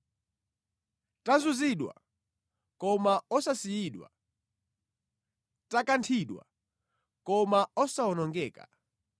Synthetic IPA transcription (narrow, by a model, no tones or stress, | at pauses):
tanzuziɗwa̰ | kɔmaɔsasijiɗwa̰ | takantʰiɗwa̰ | kɔmaɔsaɔnɔŋɡɛːka̰